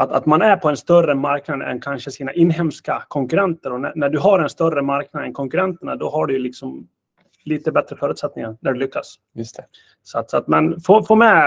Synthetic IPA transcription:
at̪a̰t̪manæɾpʰɔɛnst̪œrəmaɾknad̪ɛ̰nkʰanʂəsiːnaʔɪnːɦɛmskakʰɔŋkɵɾɛnt̪əɾɔnæ̰næɖɵɦaɾɛnst̪œrːəmaɾknad̪ɛnkʰɔŋkɵɾɛnt̪əɳad̪ɔɦaɖɵjlɪksɔm | liːt̪əbɛt̪ɾəfœɾʉ̟t̪sɛt̪̚nɪŋaɾnæɖɵlʏkːas | jst̪ɛ | sɔat̪sɔat̪mɛnfoːfoːmɛ

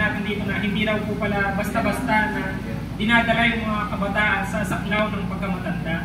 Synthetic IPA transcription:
aːt̪ɪnd̪iːt̪o̞nɐɦɪnd̪iɾawpʊpɐlabɐst̪abast̪anɐ | ɡɪnaːd̪ɐɾajʊŋmɐŋakɐbɐt̪aːʔɐnsɐʔɐsaklawnɐŋpɐɡ̚kːɐmɐt̪ɐnd̪a

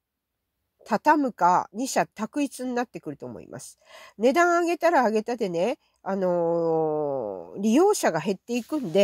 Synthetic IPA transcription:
t̪ʰat̪amɯ̟kaɲ̟iɕat̪akɯ̟it͡sɨɲ̟inat̪ːe̞kɯ̟ɾɯ̟t̪o̞mo̞̰ḭmʔa̰sɨ̥ne̞d̪ãɰ̃aɡe̞t̪aɾaːɡe̞t̪ad̪e̞ne̞ | ano̞ | ɾʲijo̞ːɕaɡaɦe̞t̪ːe̞ikɯ̟̃nd̪e̞

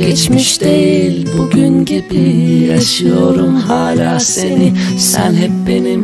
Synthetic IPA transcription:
ɟɛt͡ʃmiʃd̪ejilʲbuɟynɟibijaʃɯjo̞ɾumhaːlaːse̞ni | sæ̰nɦɛp̚be̞nim

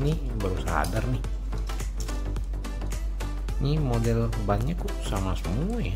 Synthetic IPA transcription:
ni | bəɾusaɦa̰dərnɪh | nimodɛlbaɲakusamasəmuaja

